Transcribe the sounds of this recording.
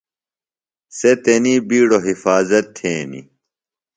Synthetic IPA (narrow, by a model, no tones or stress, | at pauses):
set̪eniːbiːɽoɦifaːzɐt̪ʰːeːnḭ